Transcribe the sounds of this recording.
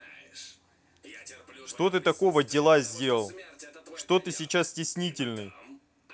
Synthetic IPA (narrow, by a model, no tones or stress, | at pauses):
ʂt̪o̞t̪ɨt̪ɐko̞vədʲɪlˠazʲdʲelˠəlˠʂt̪o̞t̪ɨsʲɪt͡ɕassʲtʲɪsʲnʲitʲɪlʲnɨj